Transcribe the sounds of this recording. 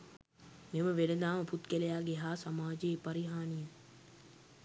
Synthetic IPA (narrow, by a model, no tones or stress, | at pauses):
meməʋeləd̪aːməput̪kelejaːɡeɦaːsamaːd͡ʒepaɾiɦaːnijə